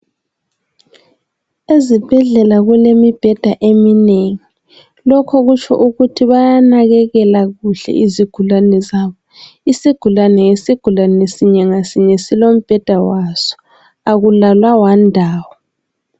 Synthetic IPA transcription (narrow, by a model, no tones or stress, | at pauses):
ezib̥ʱɛɮɛlaɣulemib̥ʱɛd̥ʱaʔemineŋi | lɔkʰɔɣut͡ʃʰɔ̰ʔuɣutʰiβajanaɣɛɣɛlaɣuɬɛ̰ʔiziɡ̥ʱulanɛzaːβɔ | isiɡ̥ʱulanɛŋesiɡ̥ʱulanesiɲɛŋasiɲɛsilom̩b̥ʱɛd̥ʱawaz̥ɔ̥ | aɣulalwawandʱaːwɔ